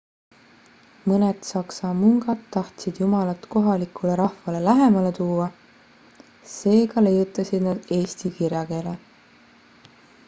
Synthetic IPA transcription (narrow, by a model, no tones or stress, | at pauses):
mɤnet̪sɑksɑmuŋɡɑt̪ːɑht̪sid̪̥jumɑlɑt̪ko̞ɦɑlikˑule̞ɾɑhvɑle̞læɦe̞mɑle̞t̪uːwɑ | se̞ːkɑle̞jut̪ːˑɑsid̪̥nɑd̪̥e̞ːst̪ikirjɑke̞ːle